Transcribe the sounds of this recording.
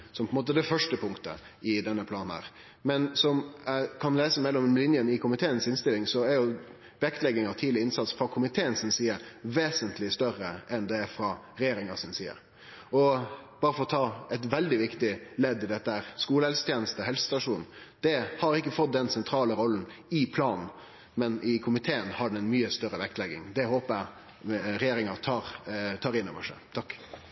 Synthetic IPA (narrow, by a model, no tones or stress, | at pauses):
sɔmpɔɛnmoːt̪əd̪ɛfœʂʈəpʰʊŋkt̪ə̰ɪd̪ɛnːəpʰlɑːnæ̰ːɾ | mɛnsɔmækʰɑnleːsəmɛlːɔmlɪnjənɪkʰʊmɪt̪ʰeːənsɪnst̪ɪlɪŋsɔæɾjʊ | b̥ɛɛkt̪əlɛɡɪŋɑʋt̪ʰiːd̪lɪɪnsɑt̪sfɾɑkʰʊmɪt̪ʰeːənsɪnsiːəɾʋeːsənt̪ʰlɪst̪œɾəʔɛnd̪ɛæɾfɾɑ | ɾɛjeːɾɪŋɑsɪnsḭːə̰ɾ | ɔb̥ɑːɾəfɔɾɔt̪ʰɑːɛt̪ʋɛld̪ɪʋɪkt̪ɪlɛd̪ːɪd̪ɛt̪ːəhæɾskuːləhɛlsə̥t̪ʰjeːnəst̪əhɛlsə̥st̪ɑʂuːnn̩ | d̪̥ɛhɑɾɪkːəfɔt̪̚d̪ɛnsɛnt̪ʰɾɑːləɾɔlːn̩ɪpʰlɑːnn̩ | mɛnɪkʰʊmɪt̪ʰeːənhɑɖɛɛnmyːəst̪œɾəʋæk̚t̪lɛɡɪŋd̪ɛhoːpəæ | ɾɛjeːɾɪŋɑɾt̪ʰɑːɾt̪ʰɑːɾɪnːɔ̰ʋəʂæ̰t̪ʰɑkː